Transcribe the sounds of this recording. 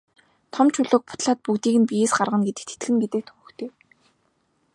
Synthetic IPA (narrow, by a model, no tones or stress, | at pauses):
t̪ʰɔmt͡ɕʰʊɮŏːk̚pʊ̥t̪ɮaːt̪̚pukt̪iːɣɘ̆npijeːsɢarʁə̆nɡet̪ɘ̆kt̪ʰe̥t̪ɡɘ̆ŋɡet̪ɘ̆k̚t̪ʰɵxɵ̆kt̪ʰeː